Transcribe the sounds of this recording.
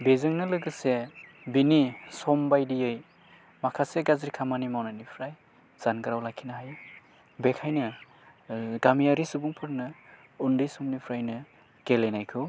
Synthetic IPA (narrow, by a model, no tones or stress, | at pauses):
bezɯŋnɯlɯɡɯse | binisɔmbajdijɯj | makʰaseɡazɾikʰamanimawnanipʰɾaj | z̥anɡɯɾawlakʰinaɦaj | bekʰajnɯ | ɡamijaɾisɯbuŋpʰɯɾnɯ | undɯjsɔmnipʰɾajnɯ | ɡ̥elenajkʰɯ